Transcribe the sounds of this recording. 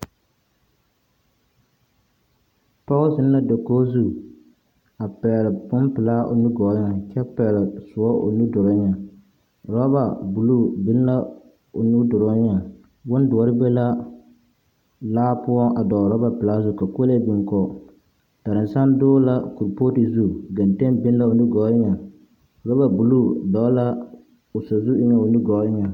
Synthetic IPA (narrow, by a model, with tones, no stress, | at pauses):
tɔ˦ɣʊ˦sɪ˦n˦la˦do˨ko˦zu˦ | a˨pɛː˨lɪ˨pʊ˦mpɨ˨laː˦ʔo̰˨nu˦ɡɔ˨˦ɲa˨t͡ʃɛ˦pɛ˨lɪ˨sʊ˨ɔ˦ʔo̰˨nu˦dʊ˨ɾɔ˦ɲa˨ | ɾɔ˦ba˨bu˨lu˦bi˦lna˦ | o˨nu˦dʊ˨ɾɔ˦ɲa˨ | wʊ˦n˦dʊ˨ɔ˦ɾɪ˦bɛ˦la˦ | laː˦pʊ˦ɔ˦ŋʔa˨dɔ˨ɾɔ˦ba˨pɪ˨laː˦sʊ˦˨ka˨ko˦le˦bi˨ŋkɔ˨ | ta˨ɾɪ˨n˨sa˦ndʊː˦la˦ku˨ɾpo˦ti˨˦zu˦ɡa˨n˨te˦nbɪ˦n˦la˦˨ʊ˨nu˦ɡɔ˨˦ɪ˦ɲa˨ | ɾɔ˦ba˨bu˨lu˦dɔ˨˦la˦ | ʊ˨so˨zu˦ɪ˦ɲa˨ʊ˨nu˦ɡɔ˨˦ɪ˦ɲa˨